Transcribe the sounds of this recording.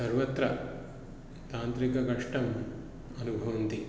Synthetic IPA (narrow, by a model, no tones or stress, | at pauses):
sɐɾʋɐt̪ɾɐ | t̪aːnt̪ɾikɐɡɐʂʈɐm | ɐnubʱɐʋɐnt̪i